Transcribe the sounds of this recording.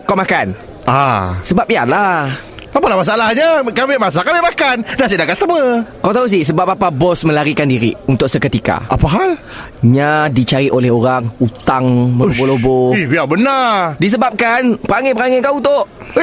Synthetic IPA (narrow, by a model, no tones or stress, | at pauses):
kawmakan | asəbap̚ijala | apalahmas̬aalahɲakabɪʔmas̬akabɪmakandas̬idakaʔ̪st̪əməkawt̪aus̬isəbap̚apabɔsmə̃laɾikandiɾḭunt̪ʊk̚səkət̪ika̰ʔa̰paɦal | ɲadit͡ʃaɾiʔolɛɦoɾaŋut̪aŋməloboloboihiabənardis̬əbap̚kanpəɾaŋɛpəɾaŋekaunt̪ʊʔ